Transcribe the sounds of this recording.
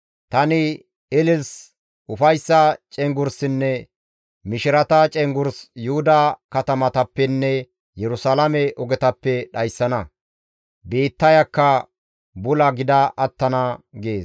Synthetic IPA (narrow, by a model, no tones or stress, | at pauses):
t̪ɐnɪ | ɪlɪls | ʔʊfɐjsːɐt͡ʃʼɛŋɡʊɾsɪnːɛ | mɪʃɪɾɐt̪ɐt͡ʃʼɛŋɡʊɾsjʊhʊd̪ɐkɐt̪ɐmɐt̪ɐpːɛnːɛ | jɛɾʊsaːlɐmɛʔɔɡɛt̪ɐpːɛɗɐjsːɐnɐ | be̞ːt̪ːɐjɐkːɐ | bʊlɐɡɪd̪ɐʔɐt̪ːɐnɐɡeːs